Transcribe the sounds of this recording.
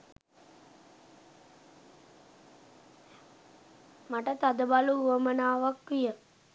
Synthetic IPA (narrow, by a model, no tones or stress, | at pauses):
maʈət̪ad̪əbaluuəmənaːʋakʋijə